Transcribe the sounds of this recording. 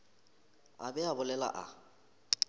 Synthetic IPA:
a̰bɛabʊlɛla̰ʔa̰

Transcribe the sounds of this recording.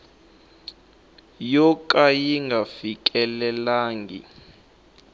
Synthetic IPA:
jɔk̬ʼajiŋɡʱafik̬ʼɛlɛlaːŋɡḭ

